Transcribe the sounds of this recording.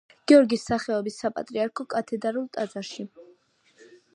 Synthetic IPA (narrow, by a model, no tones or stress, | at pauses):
ɡ̥ɛɔɾɡisːaχɛɔbisːapʼa̰t̪ʼɾiaɾkʰɔkʼat̪ʰɛd̪aɾulˠt̪ʼad̪zaɾʃi